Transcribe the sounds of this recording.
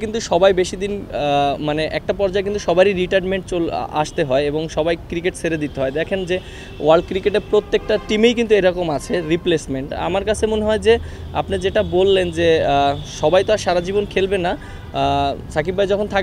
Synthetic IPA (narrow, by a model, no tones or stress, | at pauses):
kint̪uʃɔbajbeʃid̪inmaneʔɛ̰k̚ʈapɔɾd͡ʑaekint̪uʃɔbaɾiɾiʈaɾnmeɳʈt͡ɕol̰a̰ʃt̪eɦɔeeboŋʃɔbajkɾikeʈseɾed̪it̪eɦɔed̪ɛkʰend͡ʑe | waɾɖ̚kɾikeʈeɾpɾot̪ːek̚ʈaʈimejkint̪ueɾɔkomat͡ɕʰeɾiplesmeɳʈa̰maɾkat͡ɕʰemoneɦɔed͡ʑe | a̰pned͡ʑeʈabolːend͡ʑeʃɔbajt̪oaʃaɾad͡ʑibonkʰelbena | sakib̚bajd͡ʑɔkʰont̪ʰa